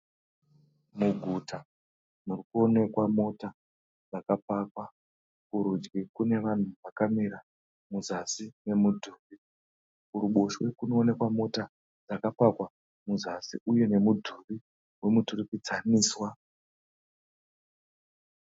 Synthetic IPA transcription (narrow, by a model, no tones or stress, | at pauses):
muɡʱuta | murikuo̞ne̞kwamo̞ta | d͡zakapaːkwa | kuɾud͡ʒɡikune̞ʋan̤uʋakamiɾa | muzasine̞mudʱuːβi | kuɾuɓoʃwekuno̞ːne̞kwamo̞ta | d͡zakapakwa | muzasḭuje̞ne̞mudʱuβi | we̞muturipit͡saniːswa